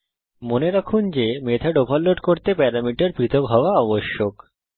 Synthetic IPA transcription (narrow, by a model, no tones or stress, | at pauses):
moneɾakʰund͡ʑemed̪ʰʱaɖopalːoʈkoɾt̪epɛɾamiʈaɾpɾit̪ʰokɦɔoaɔboʃːok